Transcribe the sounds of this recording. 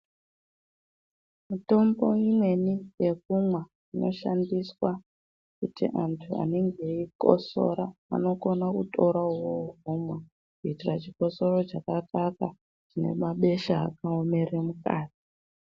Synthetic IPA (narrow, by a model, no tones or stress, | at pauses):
muto̞mbo̞imwe̞nije̞kumwa | ino̞ʃandiswa | kutḭʔantʰua̰neŋɡe̞iko̰so̞̰ɾaa̰no̞ko̞nakutʰoɾauwoɦumwa | kuitirat͡ʃiko̞so̞ɾo̞t͡ʃakakaka | t͡ʃine̞̰maɓe̞ʃaːkaome̞remuka̰ːti̥